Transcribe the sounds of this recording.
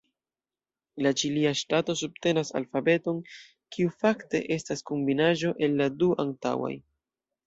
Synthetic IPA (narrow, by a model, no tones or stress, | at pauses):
lat͡ʃiliaʃtato̞sub̚te̞nasa̰lfabe̞to̞n | kʰiufakte̞̰ʔe̞staskombinaʒo̞ʔe̞lːaduʔaŋta̰wa̰j